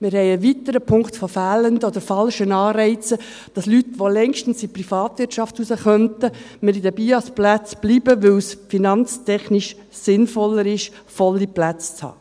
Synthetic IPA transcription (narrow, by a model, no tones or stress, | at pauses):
mɪɾhɛɪəʋit̪əɾəpʰʊŋktfofæːləndəɔd̪əɾfɑlʃənɑːɾɛɪt͡sə | d̥ɑslytʋolɛŋʃtən̩siprifɑːt̪ʋɪtʃɑftusəχœntə | mɪɾid̪əbiːɑsplæt͡sb̥liːbəʋɵwsfinɑnt͡stɛχniʃ | sɪnfɔlːəɾɪʃ | fɔlːiplæt͡st͡shɑ̰ː